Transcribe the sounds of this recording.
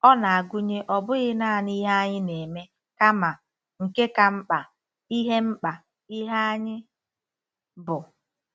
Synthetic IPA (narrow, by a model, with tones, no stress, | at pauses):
ɔ˦na˨a˨ɡʷu˦ɲe˦ʔɔ˨bʊ˦ɣɪ˦na˦a˨ni˦ɦa˦a˦ɲɪ˦ne˨me˦ | ka˦ma˨ | ŋ̩˨ke˦ka˨m̩˦k͡pa˨ | i˦ɦe˦m̩˦k͡pa˨ | i˦ɦa˦a˦ɲɪ˦ | bʊ˨